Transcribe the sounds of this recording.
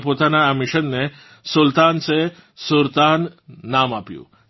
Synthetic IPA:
poːt̪anamɪʃənːe | sʊlt̪aːnse | sʊɾt̪aːnːaːmapjṵ̃ː

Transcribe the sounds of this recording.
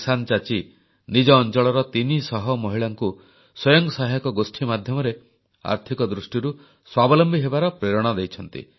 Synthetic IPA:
sant͡ʃat͡ʃi | nid͡ʒɔːnt͡ʃɔɭɔɾɔt̪inisɔɦɔmɔɦiɭaŋku | sɔjɔŋɡsaɦajɔkɔɡosʈʰimad̪ʱjɔmɔɾe | a̰ɾt̪ʰikɔd̪ɾusʈiɾu | swabɔlɔmbiɦebaɾɔpɾeɾɔɽ̃ɔd̪ejt͡ʃʰɔnt̪ḭ

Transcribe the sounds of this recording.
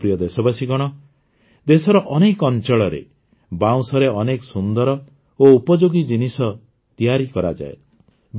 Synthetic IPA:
pɾijɔd̪esɔbasiɡɔɽ̃ɔ | d̪esɔɾɔʔɔnekɔnt͡ʃɔɭɔɾḛ | baw̃sɔɾeɔnekɔsund̪ɔɾɔ | oupɔd͡ʒoɡid͡ʒinisɔ | t̪ijaɾikɔɾa̰d͡ʒa̰e | b

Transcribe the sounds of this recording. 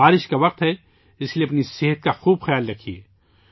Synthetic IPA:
aːɾɪʃkaʋɐq̚t̪ɦɛ | ɪskelieɐpniseːɦət̪̚kaxuːbxɐjaːlɾɐkʰːieː

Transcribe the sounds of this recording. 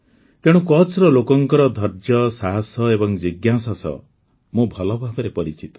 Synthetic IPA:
t̪eɽ̃ũkɔt͡ʃɾɔlokɔŋkɔɾɔd̪ʱɔɾd͡ʒjɔsaɦasɔebɔŋd͡ʒiɡjasasɔ̰ | mũbʱɔlɔbʱabɔɾepɔɾit͡ʃit̪ɔ̥

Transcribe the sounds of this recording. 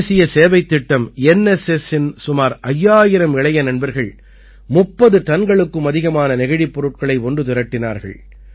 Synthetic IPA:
sɪjɐseːʋɐɪt̪ːɪʈːɐmɛnɛsɛsɪnsʊmaːɾʔɐjːaːjɪɾɐmɪɭɐjɐnɐnbɐɾɣɐɭ | mʊpːɐðɯʈ̪ɐnɡɐɭɯkːɯmɐðɪɣɐmaːnɐnɪɣɐɻipːɔɾɯʈ̚kɐɭɐɪɔɳɖɯt̪ʊɾɐʈːɪna̰ːɾɣɐ̰ɭ

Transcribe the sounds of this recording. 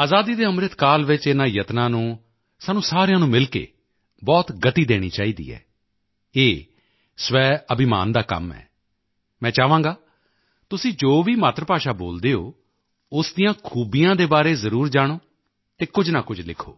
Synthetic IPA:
aːzaːd̪iːd̪eːəmɾɪt̪kaːlʋɪt͡ʃɪnãːjət̪nãːnũː | saːnũːsaːɾejãːnũːmɪlkḛː | bɔːt̪ɡət̪iːd̪eːɽ̃ḭːt͡ʃaːiːd̪ḭːɛ̰ː | eː | sʋɛːəbɪma̰ːnd̪aːkə̰mɛ̰ː | mɛ̃ːt͡ʃaːʋãːɡaː | t̪ʊsĩːd͡ʒoːʋiːmaːt̪ɾəpaːʃaːbo̰ːld̪eːo̰ː | ʊsd̪ɪjãːkʰuːbijãːd̪eːbaːɾeːzəɾuːɾd͡ʒaːɽ̃oː | t̪eːkʊd͡ʒnãːkʊd͡ʒlɪkʰo̰ː

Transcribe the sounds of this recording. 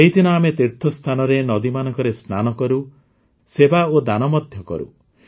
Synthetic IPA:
eɦit̪ʰinɔamet̪iɾt̪ʰɔst̪ʰanɔɾenɔd̪imanɔŋkɔɾesnanɔkɔɾu | sebaod̪anɔmɔd̪ʱjɔkɔ̰ɾṵ

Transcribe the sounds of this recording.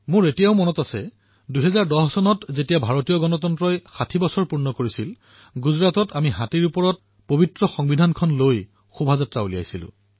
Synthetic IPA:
mʊ̃ɹetijaʊmɔnɔtasɛ̰ | duɦɛzaɹdɔhɔsɔnɔtzetijabʱaɹotijɔɡɔnɔtɔntɹɔjxatʰibɔsɔɹpuɹnɔkoɹisil | ɡuzɹatɔtamiɦatiɹupɔɹɔt̚ | pobitɹɔxɔŋbidʱankʰɔnloj | xubʱazatɹaulija̰jsilʊ̰̃

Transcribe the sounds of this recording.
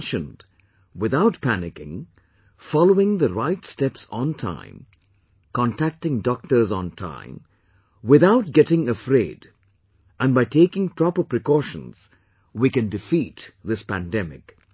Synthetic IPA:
nʃɨ̃nd | wɪðaʊtpʰænɪkɪ̰̃ŋ | fɑloʊɪ̃ŋðəɹaɪtstɛpsntʰã̰ɪ̃m | kʰɔ̃ntʰæk̚tɪ̃ŋdɔk̚tə˞z̃ntʰã̰ɪ̃m | wɪðaʊt̚ɡɛɾɪ̃ŋəfɾeɪd | ʔɨ̃nbaɪtʰeɪkɪ̃ŋpʰɹ̥ɔpə˞pɹɨkɔʃə̃nz̥ | wikɨ̃ndɨfitðɪspæ̰̃ndɛmɪ̰k

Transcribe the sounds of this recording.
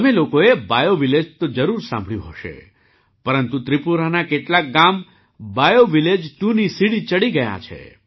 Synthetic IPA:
əmelokoebajoʋiled͡ʒt̪od͡ʒəɾuɾsã̰mbʱɭjṵ̃ɦoʃḛ | pəɾənt̪ut̪ɾipuɾanakeʈlak̚ɡam | bajoʋiled͡ʒʈunisiɽit͡ʃəɽiɡəja̰t͡ʃʰḛ

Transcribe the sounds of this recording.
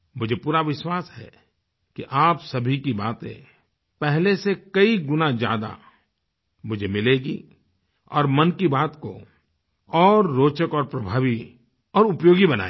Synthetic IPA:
mʊd͡ʒʱepuːɾaʋɪʃwaːsɦɛ̰ | kiʔaːpsɐbʱikibaːt̪ḛ̃ | pɛɦlesekɐiɡʊnad͡ʒja̰ːd̪a̰ | mʊd͡ʒʱemɪleːɡi | ɔ̰ːɾmɐnkibaːt̪ko̰ | ɔːɾːoːt͡ʃəkɔːɾpɾɐbʱaːʋi | ɔːɾʊpjoːɡibɐna̰ːe

